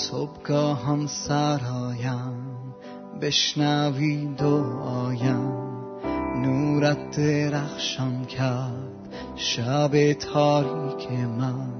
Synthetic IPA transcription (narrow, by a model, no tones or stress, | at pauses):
sobɡɒːɦamsaɾɒːjam | beʃnæviːd̪oɒːjam | nuːɾæt̪̚d̪eɾaxʃɔmkʰæɾɾd̪̥ | ʃabet̪ʰɒːɾikʲʰeman